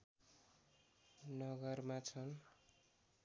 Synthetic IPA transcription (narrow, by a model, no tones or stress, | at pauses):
nʌɡʌrmat͡sʰʌn